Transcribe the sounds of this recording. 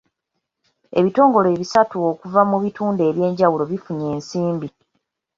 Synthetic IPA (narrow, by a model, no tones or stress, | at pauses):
e̞̰βito̞ːŋɡo̞leːβisatuokuvamuβituːnde̞ːβje̞ːɲɟawulo̞βifuɲe̞ːnsiːmbi